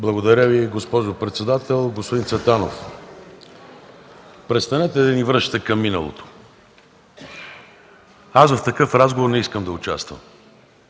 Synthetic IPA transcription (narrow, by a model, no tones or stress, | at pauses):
blˠɐɡod̪ɐɾʲəviɡospɔʒopɾɛt̪sɛd̪at̪ɛlˠɡospod̪int̪sʲɛt̪anof | pɾɛt̪st̪ɐnɛt̪ɛd̪ɐnivɾəʃt̪ɛkɐmːinə̰lˠo̰t̪o̥ | asvɐft̪ɐkɤfɾazɡovoɾnɛiskəmd̪ɐʊt͡ʃast̪və̰m